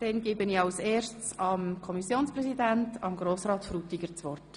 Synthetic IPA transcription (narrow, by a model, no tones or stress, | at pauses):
d̥ɛnɡɪbəniɑlseːɾst͡sɑmkʰɔmisjoːnsprɛsidæntɑmɡɾoːsrɑːt̪fɾut̪ːiɡəɾt͡sʋɔrt